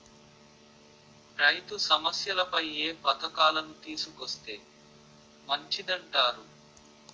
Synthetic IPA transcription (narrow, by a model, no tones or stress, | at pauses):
pɾɐjt̪usɐmɐsjɐlɐpɐjeːpɐt̪ɐkaːlɐnut̪iːsukost̪e̞ː | mɐɲt͡ʃid̪ɐɳʈaːɾu